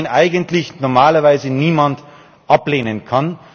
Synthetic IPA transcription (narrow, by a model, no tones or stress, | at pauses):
nʔaɪɡəntlɪçnɔɐmaːlɐvaɪzəniːmand | ʔapleːnənkʰan